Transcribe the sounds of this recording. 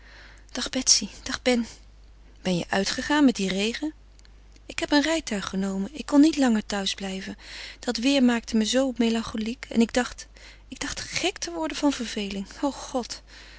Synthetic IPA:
d̥ɑχbɛtsid̥ɑχbɛn | b̥ɛnjə̰ʔœɥtχəχaːnmɛt̚direjχən | ɪkɦɛpənrɛjtœɥχənowmənɪkːɔnːitlɑŋəɹtœɥzblɛjvənd̥ɑtʋɪːɹmaːk̚təməzowmejlɑŋχolikɛ̰nɪɡ̚dɑχt | ɪɡ̚dɑχtχɛktəʋɔɹdəvɑnv̥əɹv̥ejlɪŋowχɔt

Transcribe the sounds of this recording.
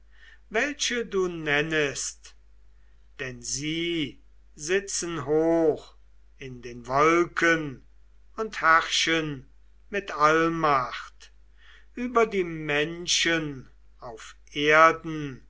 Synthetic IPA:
vɛlʃəduːnɛnəst | d̥ɛnziː | zɪt͡sənɦoːx | ɪndeːnvɔlkʰən | ʊnthæʁʃən | mɪtalmaχt | ʔyːbɐdiːmɛnʃən | aʊfʔeɐdn̩

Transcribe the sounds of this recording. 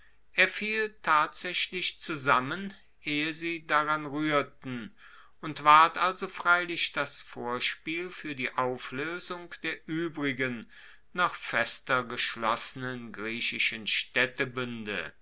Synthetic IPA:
ʔeːɐfiːltʰaːtz̥ɛçlɪçt͡suzamən | ʔeːəziːdaʁanʁyːɐtn̩ | ʊntv̥aɐtʔalzofʁ̥aɪlɪçd̥asfoːɐʃpiːlfyːɐdiːʔaʊfløːzʊŋkd̥eːɐʔyːbʁɪɡən | naχfɛstɐɡəʃlɔsənənɡʁiːɕɪʃənʃtɛtəbʏndə̰

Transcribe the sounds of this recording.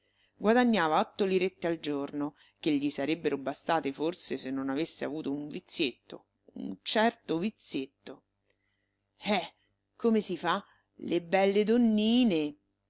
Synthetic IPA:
ɡwad̪aɲːaːvaɔt̪ːoliɾet̪ːeald͡ʒorno | k̟eʎːisaɾebːeɾobast̪aːt̪eforsesenːonavesːeavuːt̪ouɱvit̪sːjet̪ːo̰ | ṵnt͡ʃɛrt̪ovit̪sːjet̪ːo | ɛ | kʰːomesifa | lʔebːɛlːed̪onːiːne

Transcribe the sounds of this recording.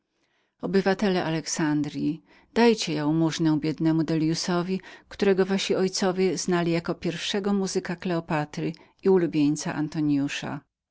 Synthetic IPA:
ɔbɘvat̪ɛlɛʔalɛksand̪ɾʲji | d̪̥ajt͡ɕɛjɛwmuʐnɛwbʲjɛd̪nɛmud̪ɛljusɔvʲikt̪uɾɛɡɔvaɕiɔjt̪sɔvʲjɛznalʲijakɔpʲjɛɾfʂɛɡɔmuzɘkaklɛɔpat̪ɾɘ | iulubʲjeɲt̪sa̰ʔa̰nt̪ɔɲjuʂa̰

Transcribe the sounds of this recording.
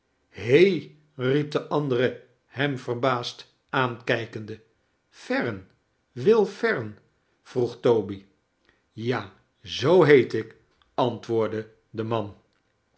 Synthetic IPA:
hej | rip̚dəʔɑndərə | hɛmvərbaːst | aːnkɛjkəndə | fɛrən | ʋɪlˠfɛɹən | v̥ruχtowbi | jaː | zowɦejtɪk | ɑntʋʊːɹdə | dəmɑn

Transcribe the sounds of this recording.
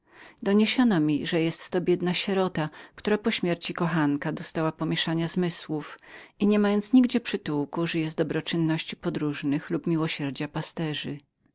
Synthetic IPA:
d̪ɔɲeɕɔnɔmʲiʐɛjɛst̪ːɔbʲjɛd̪naɕɛɾɔt̪akt̪uɾapɔɕmʲjɛɾt͡ɕikɔxaŋkad̪ɔst̪awapɔmʲjɛʂaɲazmɘswufiɲɛmajɔnt̪sɲiɡd͡ʑɛpʂɘt̪uwkuʐɛjɛst̪d̪ɔbɾɔt͡ʂɘnːɔɕt͡ɕi̥pɔd̪ɾuʐnɘxlupmʲiwɔɕɛɾd͡ʑapast̪ɛʐɘ

